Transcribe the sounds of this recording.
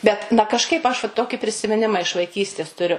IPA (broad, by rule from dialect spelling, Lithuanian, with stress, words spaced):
ˈbʲɛt nɐ kɐʃˈkɐɪp ɐʃ ʋɐ ˈtoːkʲɪ pʲrʲɪsʲɪmʲɪˈnʲɪmɐ ɪʃ ʋɐɪˈkʲiːsʲtʲeːs tʊˈrʲʊ